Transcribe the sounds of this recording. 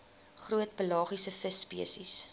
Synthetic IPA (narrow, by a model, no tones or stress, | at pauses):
χruətpəlɑːχisəfəsːpiəsis